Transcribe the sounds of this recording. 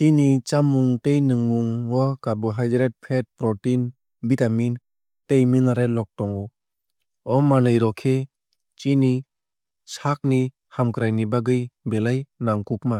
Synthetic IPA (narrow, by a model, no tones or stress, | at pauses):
t͡ʃinit͡ʃamuŋtejnɯŋuŋwɔkabuɦajdɾet̚pʰet̚pɾɔtin | bitamin | tejminaɾelɔk̚tɔŋɔ | ɔmanɯjɾɔkʰe | t͡ʃini | sʰak̚ni | hamkɯɾajnibaɡɯjbelajnaŋkuk̚ma